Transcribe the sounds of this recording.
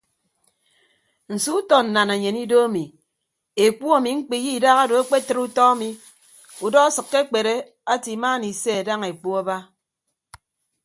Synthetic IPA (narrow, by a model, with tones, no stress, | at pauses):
n̩˨su˦u˦tɔ˨n̩˨na˨ne˨ɲe˨ni˦do˦a˦mi˨ | e˨k͡pu˦a˦˨mi˨ŋ͡m̩˦k͡pi˨ji˦˨da˦ɣa˦do˨a˦k͡pe˦tɨ˦ɾu˦tɔ˦a˦mi˨ | u˨dɔ˦a˦sɨ˨kːe˦k͡pe˨ɾe˦ | a˦ti˨˦ma˦ni˨se˦a˨da˦ŋe˨k͡pu˦a˦ba˦